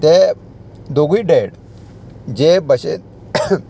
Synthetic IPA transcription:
t̪e | d̪oɡiɖeɽ | d͡ʑebəɕḛ

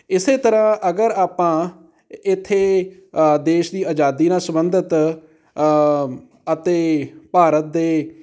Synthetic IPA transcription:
ɪseːt̪əɾãːʔəɡəɾaːpãː | ɪt̪ʰːeː | d̪eːʃd̪iːaːd͡ʒaːd̪iːnaːsəbənd̪ət̪ | ət̪eːpaːɾət̪̚d̪eː

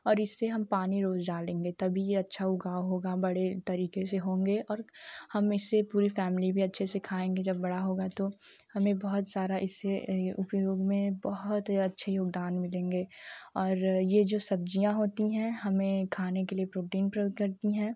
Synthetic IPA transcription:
ɔːɾɪsːeɦɐmpaːniɾoːzd͡ʒaːlẽːŋɡet̪ɐbʱijeɐtːʃʰaʊɡaːoɦoːɡabɐɽet̪ɐɾiːkeseɦõːŋ̆ɡeɔːɾhɐmɪsːepuːɾifɛːmɪlibʱiɐtːʃʰesekʰaːẽːŋɡed͡ʒɐbːɐɽaɦoːɡat̪ohɐmẽbɔɦʊt̪saːɾaʔɪsːeʊpjoːɡmẽbɐɦʊt̪ɐtːʃʰejoːɡd̪aːnmɪlẽːŋɡeːɔːɾjed͡ʒoːsɐb̚d͡ʒijãɦoːt̪iɦɛ̃ɦɐmẽkʰaːnekeliepɾoːʈiːnpɾkɐɾt̪iɦɛ̃ː

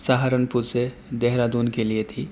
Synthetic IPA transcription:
saɦaɾənpuse | d̪eɦɾad̪uːnkeliet̪ʰi

